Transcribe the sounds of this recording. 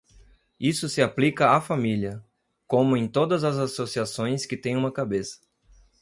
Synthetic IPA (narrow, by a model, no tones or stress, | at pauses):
isʊsɪaplikɐafamiliɐ | kõmʊẽj̃t̪od̪ɐzɐzasosiasõj̃skɪt̪ẽj̃ũmɐkabesɐ̥